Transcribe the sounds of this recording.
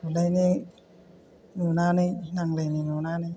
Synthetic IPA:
uləjni | nunaːninaŋləjninunaːni

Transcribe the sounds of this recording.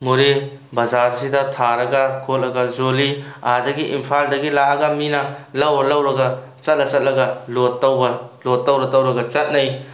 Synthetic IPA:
muɾi | bɐzaɾsidɐtʰaɾɐɡɐkʰot̚lɐɡɐzoliadɐɡiʔḭmpʰaldɐɡilaɐɡɐminɐlɐwlɐwɾɐɡɐ | t͡ʃɐt̚lɐt͡ʃɐt̚lɐɡɐlotːɐwbɐlotːɐwɾɐtɐwɾɐɡɐt͡ʃɐt̚nɐj

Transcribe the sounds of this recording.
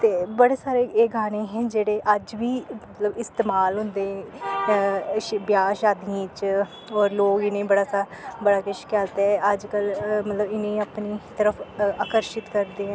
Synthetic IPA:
t̪eːbəɽeːsaːɾeːeːɡʱaːnẽːɦɛ̃ːd͡ʒeːɽeːʔəd͡ʒʋiːmət̪ləbɪst̪eːmaːlɦʊ̃nd̪ẽː | ʃbjaːʃaːd̪iẽːt͡ʃ | ɔːɾloːɡɪnẽːbəɽaːsa | bəɽaːkɪʃkɛːlt̪ɛːəd͡ʒkəlmət̪ləbɪnẽːapniːt̪əɾəpʰaːkəɾʃɪt̪kəɾd̪eːɛ̃

